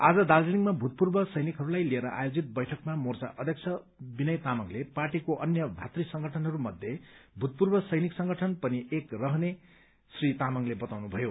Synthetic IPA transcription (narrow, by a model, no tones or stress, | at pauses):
ad͡zʌd̪ald͡ziniŋmabʱut̪̚purbʌsʌjnikɦʌɾulajlieɾʌʔa̰jod͡zit̪̚bʌjʈʰʌkmamort͡sa̰ʔʌd̪ʱjʌkt͡sʰʌ | binʌjt̪amʌŋleparʈikoʔʌnjʌbʱat̪risʌŋɡʱʌʈʰʌnɦʌɾumʌd̪ʱjebʱut̪̚purbʌsʌjniksʌŋɡʱʌʈʰʌnpʌniʔekrʌɦne | srit̪amʌŋlebʌt̪awnubʱʌjo